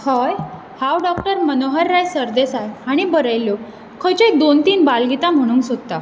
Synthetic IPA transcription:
hɔj | hãwɖɔkʈəɾmənoɦəɾːajsəɾd̪esajaɽ̃ibəɾəjljo | kʰəjt͡ɕed̪ont̪iːnbalɡit̪am̤əɽ̃uːnksod̪t̪a

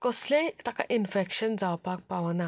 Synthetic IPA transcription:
kəslẽt̪aka̰ʔinfekɕənd͡zawpak̚paʋna

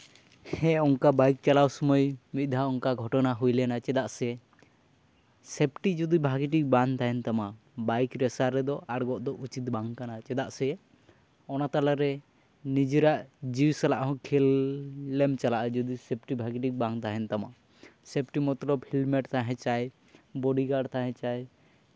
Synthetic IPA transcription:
hɛɔŋkabajk̚t͡ʃalawsɔmɔjmit̪̚ˀd̪ʱaɔŋkaɡʱɔʈɔnaɦujlɛnat͡ʃɛd̪aʔsɛ | sep̚ʈid͡ʒɔd̪ibʱaɡiʈ̬ik̚bant̪aɦɛnt̪ama | bajkɾɛsaɾɛd̪ɔʔaɽɡɔʔd̪ɔʔut͡ʃit̪̚baŋkanat͡ʃɛd̪aʔsɛ | ɔnat̪alaɾɛ | nid͡ʒiɾaʔd͡ʒiwsalaʔɦɔ̃kʰilː | ɛmt͡ʃalaʔad͡ʒɔd̪isep̚ʈibʱaɡiʈik̚baŋt̪aɦɛnt̪ama | sɛp̚ʈimɔt̪ɾɔpʰilmɛʈt̪ʰaɦɛ̃t͡ʃaj | bɔɖiɡaɖt̪ʰaɦɛ̃t͡ʃaj

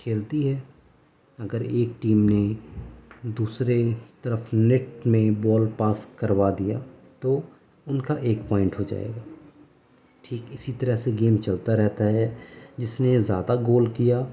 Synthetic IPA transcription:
kʰeːlt̪iɦɛː | ɐɡəɾeːk̚ʈiːmne | d̪uːsɾet̪ɐɾəfʰnɪʈmẽbɔːlpaːskəɾwad̪ija̰t̪o | ʊnkaʔeːkpɔːɪ̃ɳʈɦod͡ʒa̰ːḛːɡaː | ʈʰiːkɪsit̪əɾəɦseɡeːmt͡ʃɐlt̪aɾɛɦt̪aɦɛd͡ʒɪsnezjaːd̪aɡoːlkijaː

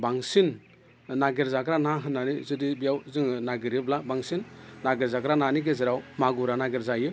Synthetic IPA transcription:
baŋsin | naɡeɾzaɡɾanaɦɯnːanizɯdibijawzɯŋnaɡɯɾiblabaŋsinːaɡeɾzaɡɾananiɡeziɾawmaɡuɾanaɡeɾzajɯ

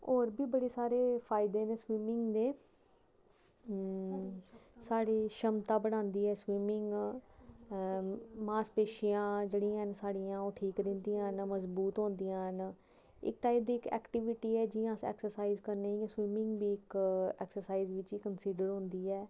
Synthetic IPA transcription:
oːɾbiːbəɽeːsaːɾeːpʰaːɪd̪eːneːswiːmɪŋɡd̪eː | saːɽeːʃəmt̪aːbəɽ̃ãːnd̪iːɛːswiːmɪŋɡ | maːspeːʃijãːd͡ʒeːɽĩːansaːɽijãːoːʈʰiːkɾɪ̃ːnd̪ijãːnməzbuːt̪ɦõːnd̪ijãːn | ɪ̰kʈaːip̚d̪iːɪkɛ̰ːkʈɪʋɪʈiːɛːd͡ʒɪãːsɛ̰ːksəɾsaːiːzkəɾneːiãswiːmɪŋɡbiːɪkɛ̰ːksəɾsaːiːzʋɪt͡ʃiːkənsiːɖəɾɦoʊ̃nd̪iːɛː

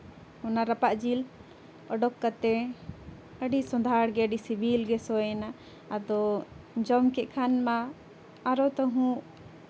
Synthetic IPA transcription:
ɔnaɾapaʔd͡ʒil | ɔɖɔkːat̪ɛ | əɖisɔd̪ʱaɽɡɛəɖisibʱilɡɛsɔjɛnaː | d̪ɔd͡ʒɔmkɛʔkʰanmaː | ɾɔt̪ɔɦũʔ

